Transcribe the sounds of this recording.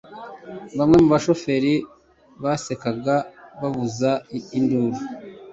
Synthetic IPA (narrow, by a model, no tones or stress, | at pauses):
βamŋe̞muβaʃo̞fe̞ɾi | βase̞kaɡaβaβuzainduːɾu